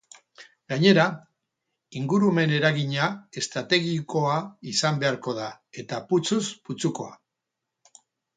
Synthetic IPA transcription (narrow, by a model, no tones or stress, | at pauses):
ɡaɲe̞ɾa | iŋɡuɾume̞ne̞ɾaɣiɲae̞st̪ɾat̪e̞ɣiko̞aisambe̞aɾko̞ð̞a | e̞t̪aput͡sozput͡suko̞a̰